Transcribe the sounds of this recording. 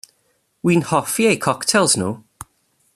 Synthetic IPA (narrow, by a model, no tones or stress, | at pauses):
wiːnhɔfiejkʰɔktʰɛlˠzno̰